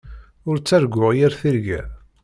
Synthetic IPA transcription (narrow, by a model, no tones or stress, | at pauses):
ʊɾt͡sːæɾɡʷːʊʁjæɾθiɾɡæ̰